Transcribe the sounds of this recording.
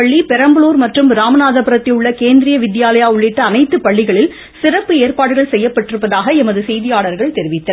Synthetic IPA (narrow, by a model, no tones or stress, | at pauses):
ɐɭːipɛɾɐmbɯluːɾmɐʈrɯmɾaːmɐnaːðɐpɐɾɐt̪ːɪʊɭːɐkeːnd̪ɪɾɪjɐʋɪd̪ɪjaːlɐjaːʊɭːɪʈːɐːnɐɪt̪ːɯpɐɭːɪɣɐɭɪl | sɪrɐpːɯeːrpaːɽɯɣɐɭsɛjːɐpːɐʈːɪɾɯpːɐðaːɣɐɛmɐðɯsɛjðɪjaːɭɐɾɣɐɭt̪ɛɾɪʋɪt̪ːɐ